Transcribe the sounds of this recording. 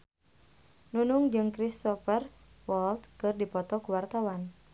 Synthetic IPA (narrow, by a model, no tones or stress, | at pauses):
nunuŋd͡ʒɨŋkɾist̪ɔfər | wɔlt̪kɨrdipɔt̪ɔkuwart̪awan